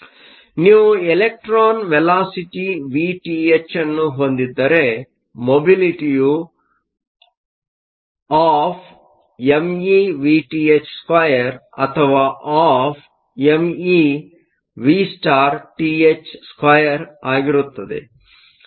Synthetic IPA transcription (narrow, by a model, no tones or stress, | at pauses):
niːʋuelek̚ʈɾaːnʋelaːsiʈiʋiːʈiːet͡ʃɐnːuɦond̪id̪ːɐɾe | mobiliʈiju | aːpʰ | emiʋiːʈiːet͡ʃskɐjɐɾɐt̪ʰɐʋaːʔaːpʰ | emi | ʋisʈaːɾʈiːet͡ʃskʋɐjɐɾaːɡiɾut̪ːɐd̪ḛ